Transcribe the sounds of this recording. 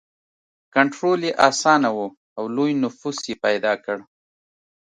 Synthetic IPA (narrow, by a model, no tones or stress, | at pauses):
kaɳʈɾoljeʔɑsɑnawu | awlojnʊfusjepajd̪ɑkəɽ